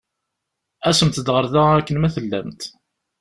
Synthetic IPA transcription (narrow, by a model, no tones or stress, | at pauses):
æsəmt̪d̪ʁəɾðæækːənmæθəlːæ̰mt̪